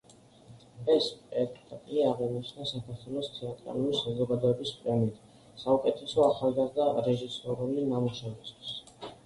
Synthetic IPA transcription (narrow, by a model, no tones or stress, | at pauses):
ɛspʼɛɾkt̪at̪ʼiaʁɛnit͡ʃʰnasakʰaɾt̪ʰwɛlˠɔst̪ʰɛat̪ʼɾa̰lulisazɔɡad̪ɔɛbispʼɾɛmiit̪ʰ | saukʼɛt̪ʰɛsɔaχalˠɡazd̪aɾɛʒisɔɾulinamuʃɛvist̪ʰwi̥s